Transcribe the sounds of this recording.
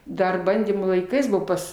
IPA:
ˈdɐr ˈbɐnʲdʲiːmuː lˠɐɪˈkɐɪs ˈbʊʋoː ˈpɐs

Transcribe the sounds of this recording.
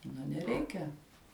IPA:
nʊ nʲɛˈrʲɛɪkʲɛ

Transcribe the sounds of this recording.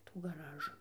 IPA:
tuː ɡɐˈrɑːʒʊ

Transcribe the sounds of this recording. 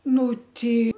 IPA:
ˈnʊ ˈtʲɛɪ

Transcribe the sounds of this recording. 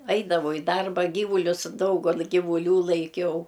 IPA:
ˈɐɪdɐʋɐʊ ɪ ˈdɐrbɐ ˈɡʲiːʋʊlʲʊs ˈdɐʊɡɐlˠ ɡʲɪʋʊˈlʲuː lˠɐɪˈkʲɛʊ

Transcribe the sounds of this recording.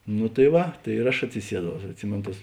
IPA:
nʊ tɐɪ ˈʋɐ tɐɪ ɪr ˈɐʃ ɐtʲsʲɪˈsʲiɛˌdɐʊ ɐʃ ɐtʲˈsʲɪmʲeːn tɐs

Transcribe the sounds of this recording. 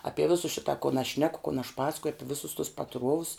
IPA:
ˈɑːpʲiɛ ˈʋʲɪsʊ ˈʃʲɪtɐ kʊn ɐʃ ˈʃʲnʲæːkʊ kʊn ɐʃ ˈpɑːsɐkʊjʊ ˈɑːpʲɪ ˈʋʲɪsʊs tʊs pɐˈtruɔʋʊs

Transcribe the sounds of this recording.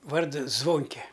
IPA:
ˈʋɐrdʊ ˈzʋoːŋʲkʲɛ

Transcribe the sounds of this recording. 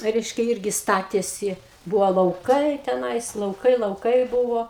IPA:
ˈrʲɛɪʃʲkʲɛ ˈɪrʲɡʲɪ ˈstɑːtʲeːsʲɪ ˈbʊʋoː lˠɐʊˈkɐɪ tʲɛˈnɐɪs lˠɐʊˈkɐɪ lˠɐʊˈkɐɪ ˈbuːʋoː

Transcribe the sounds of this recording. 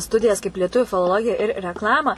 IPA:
ˈstʊdʲɪjɛs kɐɪp lʲiɛˈtʊʋʲuː fʲɪlˠoːˈlˠoːɡʲɪjɛ ɪr rʲɛkˈlˠɑːmɐ

